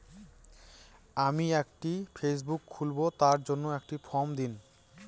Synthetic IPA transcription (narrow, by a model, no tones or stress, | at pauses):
amiekʈifes̬bukʰːulbot̪aɾd͡ʑonːoekʈifʰɔmd̪in